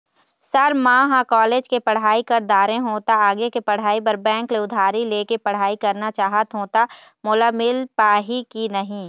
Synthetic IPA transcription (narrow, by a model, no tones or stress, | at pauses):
sɐɾmãːɦãkɔːleːd͡ʒkepɐɽ̤aːikɐɾd̪aːɾẽɦoːt̪aaːɡekepɐɽ̤aːipɐɾbɛ̃ːŋkleʊd̪ʱaːɾileːkepɐɽ̤aːikɐɾnat͡ʃaːɦət̪ɦoːt̪a | mʊlamɪlpaːɦikinɐɦĩː